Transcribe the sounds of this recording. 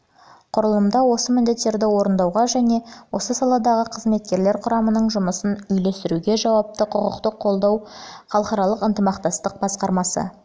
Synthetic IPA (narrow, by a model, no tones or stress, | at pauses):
qʰʊɾəlˠəmd̪ɑwo̞səmɪnd̪e̞t̪ːe̞ɾd̪ɪwo̞ɾənd̪ɑwʁɑʒæne̞wo̞səsɑlˠɑd̪ɑʁəqʰəzme̞t̪̚kʲe̞ɾleɾqʰʊɾɑmənəɴʒʊməsənʏjle̞st̪ɪɾuɡʲe̞ʒɑwɑp̚t̪əqʰʊqə̰qt̪əqʰːo̞lˠd̪ɑwχɑlˠəχɑɾɑlˠəqənt̪əmɑqt̪ɑst̪əq̚bɑsqɑɾmɑsə̰